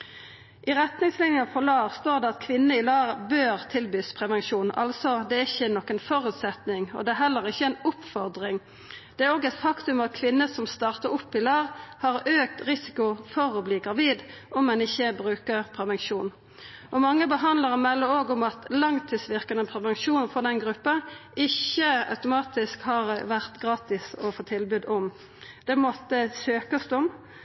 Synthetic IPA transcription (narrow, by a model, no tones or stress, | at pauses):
ʔɪʁɛt̪nɪŋslɪnjɑfɔlɑːʋst̪oːʁd̪ɛɑt̪kʰʋɪnːəɪlɑːʁbøːʁt̪ʰɪlbyːspʰʁɛʋɛnʃuːnɑ̰lsɔd̪ɛæɪçːənɔkːənfɔɾʉt̪sɛt̪nɪŋɔ̰d̪ɛæɦɛlːəʁɪçːəɛnʊpfɔʁd̪ʁɪŋ | d̪̥ɛæɾoːɡɛt̪fɑkt̪ʉmɑt̪̚kʰʋɪnːəsɔmst̪ɑːʁt̪əɾʊpːɪlɑːʁhɑʁøːkt̪ʁɪsɪ̥kʊfɔɾɔbliːɡʁɑʋiːd̪ʔɔmːɛnɪçːəbʁʉːkəʁpʰɾɛʋɛnʃuːn | ʔɔmɑŋːəbəɦɑnd̪ləʁmɛlːəoːɡʊmɑt̪lɑŋt̪ʰiːsʋɪʁkɑnəpʰɾɛʋɛnʃuːnfɔʁd̪ɛnɡʁʉpːɑɪçəɑ̰ʉt̪ʊmɑːt̪ɪskhɑʁʋæʁt̪ɡʁɑːt̪ɪsɔfoːt̪ʰɪlbʉːd̪ɔm | d̪̥ɛmɔt̪ːəsøːkəst̪ɔm